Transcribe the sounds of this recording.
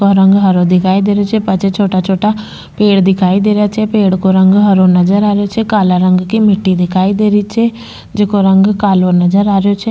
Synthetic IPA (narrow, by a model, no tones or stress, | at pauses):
oɾə̃ŋɡɦəɾoːd̪ɪkʰaːid̪eːɾejoːt͡ʃʰɛːpət͡ʃʰɛt͡ʃʰoːʈaːt͡ʃʰoːʈaː | peːɽd̪ɪkʰaːiːd̪eːɾjaːt͡ʃʰɛːpeːɽkoːɾə̃ŋɡɦəɾoːnəd͡ʒəɾaːɾejoːt͡ʃʰɛːkaːlaːɾəŋɡkimɪʈːiːd̪ɪkʰaːid̪eːɾiːt͡ʃʰɛː | d͡ʒekoɾəŋɡkaːloːnəd͡ʒəɾaːɾejoːt͡ʃʰɛː